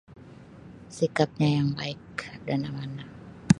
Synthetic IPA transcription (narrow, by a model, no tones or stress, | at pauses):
sikap̚ɲajaŋbaɪk̚danamana